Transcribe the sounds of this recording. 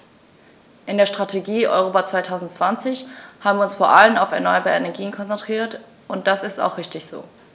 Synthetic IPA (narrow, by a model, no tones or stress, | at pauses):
ʔɪndeːɐʃtʁ̥atʰeɡiːʔɔ̰ʏʁoːpat͡sv̥aɪtʰaʊzn̩tt͡sv̥ant͡sɪçhaːbm̩viːʊnsfoːɐʔalənaʊfɛ̰ɐnɔʏɐbaːɛnɛɐɡiːənkʰɔnt͡sɛntʁ̥iːɐt | ʔʊnt̚d̥asɪsta̰ʊxʁ̥ɪçtɪçz̥o̰ː